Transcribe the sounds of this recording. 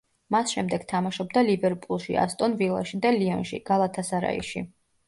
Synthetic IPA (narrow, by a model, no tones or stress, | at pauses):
masʃɛmd̪ɛɡ̥t̪ʰamaʃɔb̚d̪alibɛɾpʼulˠʃḭa̰st̪ʼɔnvilˠa̰ʃid̪aliɔnʃḭɡ̥alˠat̪ʰasaɾa̰ḭʃḭ